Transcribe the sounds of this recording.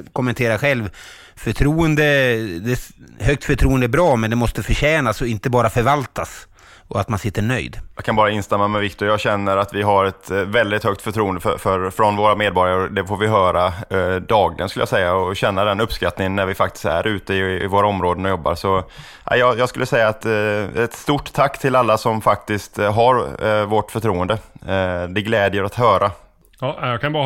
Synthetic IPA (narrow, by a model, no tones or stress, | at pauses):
kʰʊmːɛnt̪ʰeːɾaɧɛlv | fœʈʰɾuːənd̪əd̪ɛhœkt̪fœʈʰɾuːənd̪əæbɾɑːmɛnd̪ɛmɔst̪əfœɕɛːnasɔɪnt̪əbɑːɾafœɾvalt̪as | ɔat̪mansɪt̪ʰːəɳœ̰jd̪jɑkʰanbɑːɾaɪnst̪ɛmːamɛvɪkt̪ʊɾjɑːɡɕɛnːəɾat̪vɪɦaɾɛt̪vɛld̪ɪt̪hœk̚t̪fœʈʰɾuːənd̪əfœfœɾfɾɔnvoːɾameːd̪̚bɔɾjaɾd̪ɛfoːɾvɪɦœːɾad̪ɑːɡlɪ̰ɡənskɵləjasɛjːaɔɕɛnːad̪ɛnɵpːskat̪nɪŋənːæɾvɪfak̚t̪ɪ̥st̪æ̰ɾʔʉ̟ːt̪əɪːvoːɾaɔmɾoːd̪ənɔjɔbːa̰ɾsɔ | ʔæ̰ɪjɑjɑːskɵlːəsɛjːaːt̪ɛt̪st̪uʈːt̪ʰakːt̪ʰɪlalːasɔmfak̚t̪ɪst̪ɦaɾvɔʈfœʈʰɾuːənd̪ə | d̪ɛɡlɛːd̪jəɾat̪ɦœːɾa | jɑkʰanbɑ